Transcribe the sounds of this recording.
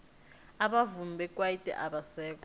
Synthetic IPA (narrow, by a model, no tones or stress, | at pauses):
aɓavum̩bʱɛkʼwaitʼɛ̰ʔaɓasɛːk̬ʼɔ